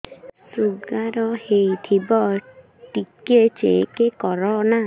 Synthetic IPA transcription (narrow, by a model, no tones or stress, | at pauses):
suɡaɾɔhejt̪ʰibɔ | ʈiket͡ʃekekɔɾɔna